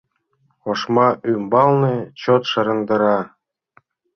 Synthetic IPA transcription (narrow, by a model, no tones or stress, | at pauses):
oʃmɑʔymbɑlˠnĕt͡ɕot̪ʃɤ̆ɾɤ̆nd̪ɤ̆ɾɑ